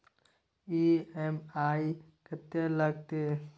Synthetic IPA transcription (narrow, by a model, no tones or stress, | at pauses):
iemaːi | kət̪eləɡ̚t̪e